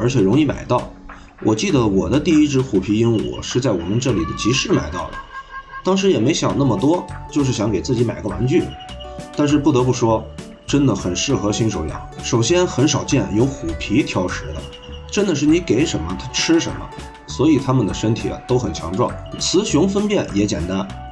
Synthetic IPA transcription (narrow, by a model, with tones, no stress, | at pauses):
ə˞˧˥t͡ɕʰɛ˨˩ɻʊ˧˥ŋi˥˩ma̰˨˩ɪt̪ɑ˥˩ʊ | wʔɔ˨˩t͡ɕi˥˩d̪ə˩wɔ˨˩d̪ə˦t̪i˥˩i˥ʈ͡ʂɻ̩˧˥xu˨˩pʰi˧˥i˥nwɔ̰˨˩ʂɻ̩˥˧t͡sa˥˩ɪwɔ̰˨˩mə˧˦nʈ͡ʂɤ˥˩lḭ˨˩d̪ə˦t͡ɕi˧˥ʂɻ̩˥˩ma̰˨˩ɪt̪ɑ˥˩ʊd̪ə̰˩t̪ɑ˥ŋʂ̬ɻ̩˧˥jɛ˨˩me˧˥ɪɕjɑ̰˨˩ŋna˥˩mə˩t̪wɔ˥t͡ɕjo˥˧ʊʂ̬ɻ̩˥˩ɕjɑ˧˥ŋke˨˩ɪt͡sɹ̩˥˩t͡ɕi˧˥ma˨˩ɪɡə˧wa̰˧˥nt͡ɕy˥˩ | t̪a˥˧nʂ̬ɻ̩˥˧pu˥˩t̪ɤ˧˥pu˥˩ʂwɔ˥ | ʈ͡ʂə˥nd̪ə˨˩xə˨˩nʂɻ̩˥˩xɤ˧˥ɕi˥ŋʂo˧˥ljɑ̰˨˩˦ʂo˨˩ʊɕjɛ˥nxə˧˥nʂɑ˨˩ʊt͡ɕjɛ˥˩njo˧˥ʊxu˨˩pʰi˧˥t̪ʰjɑ˥ʊʂɻ̩˧˥d̪ə̰˧ | ʈ͡ʂə˥nd̪ə˨˧ʂ̬̩˥˩ni˧˥ke˧˥ɪʂə˧˥nmə˧t̪ʰa˥ʈ͡ʂʰɻ̩˥ʂə˧˥mə̰˧ | swɔ˧˥i˨˩t̪ʰa˥mə˨nd̪ə˩ʂə˥nt̪ʰḭ˨˩ɐ̰˧˩t̪o˥ʊxə˨˩nt͡ɕʰjɑ̰˧˥ŋʈ͡ʂwɑ̰˥˩ŋt͡sʰɹ̩˧˥ɕʊ˧˥ŋfə˥npjɛ˥˩njɛ˧˥t͡ɕjɛ̰˨˩nt̪a˥n